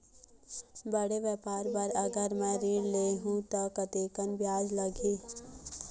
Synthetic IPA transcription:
bəɽeʋjəpaːɾbaɾɐɡəɾmɛ̃ːɾiːɽleːɦũt̪akɐt̪eːkənbjaːd͡ʒlɐɡeː

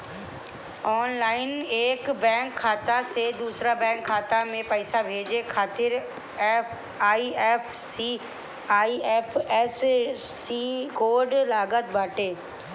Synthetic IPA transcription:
ɔːnlaːɪneːkbɛ̃ːŋkʰːaːt̪ased̪uːsɾabɛ̃ːŋkʰːaːt̪amẽpəɪsabʱeːd͡ʑekʰaːt̪ɪɾ | ɛːp | aːiɛːpʰsi | aːiɛːpʰɛsː | ikoːɾɖlaːɡət̪bʱaːʈeː

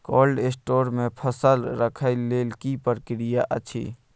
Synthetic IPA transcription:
koːlɖesʈoːɾmẽpʰəsəlɾəkʰəileːlkipəɾkɾijaʔət͡ʃʰḭː

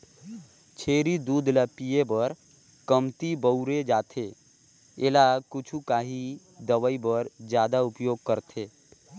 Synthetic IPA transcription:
t͡ʃʰeːɾid̪uːd̪ʱləpijebəɾ | kəmt̪ibəʊɾed͡ʒaːt̪ʰe | elakʊt͡ʃʰukaːɦi | d̪əʋəibəɾd͡ʒjaːd̪aʊpjoːɡ̚kəɾt̪ʰeː

